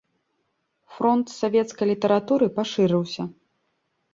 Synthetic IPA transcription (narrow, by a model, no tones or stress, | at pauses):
fɾɔnt̪savʲɛt̪skɐjlʲit̪ɐɾat̪uɾɨpaʂɨɾɨwsʲɐ